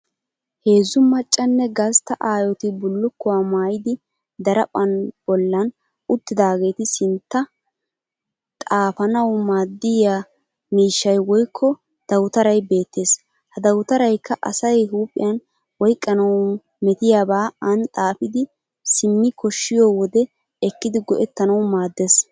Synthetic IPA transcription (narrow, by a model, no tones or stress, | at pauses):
he̞ːzʊmɐt͡ʃʼːɐnːɛɡɐst̪ɐʔaːjɔt̪ɪbʊlːʊkːɔwaːmaːjɪd̪ɪ | d̪ɐɾɐpʼɐnb̥ɔlːɐn | ʊt̪ːɪd̪aːɡe̞ːt̪ɪsɪnt̪ːɐ | t̪ʼaːfɐnɐwmaːd̪ːɪja | miːʃːɐjwɔjkʰːɔ | d̪̥ɐwʊt̪ɐɾɐjbe̞ːt̪ːe̞ːs | hɐd̪ɐwʊt̪ɐɾɐjkːɐʔɐ̰sɐjɦuːpʼːɪ̰jɐn | wɔjkʼːɐnɐw | mɛt̪ɪjaːbaːɐnt̪ʼaːfɪd̪ɪ | sɪmːɪkʰɔʃːɪjɔːwɔd̪ɛ | ɛkːɪd̪ɪɡɔʔɛt̪ːɐnɐwmaːd̪ːes